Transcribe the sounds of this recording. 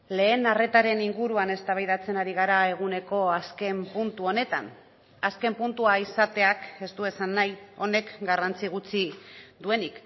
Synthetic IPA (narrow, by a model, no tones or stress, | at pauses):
le̞ːnare̞t̪aɾe̞niŋɡuɾuane̞st̪aβ̞ajðat͡se̞naɾiɣ̞aɾae̞ɣ̞une̞ko̞aske̞mpunt̪uo̞ne̞t̪a̰n | aske̞mpunt̪uaisat̪e̞ake̞st̪ue̞sanːajo̞ne̞kɡarant͡siɣ̞ut͡sid̪ue̞nik